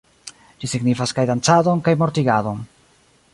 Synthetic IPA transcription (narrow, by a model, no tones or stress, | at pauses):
d͡ʒisiɡnifaskajdant͡sado̞nkajmo̞ɾtiɡado̞n